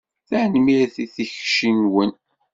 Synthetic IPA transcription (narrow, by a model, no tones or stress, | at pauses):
θæʕnmiɾθiθiçʃinwən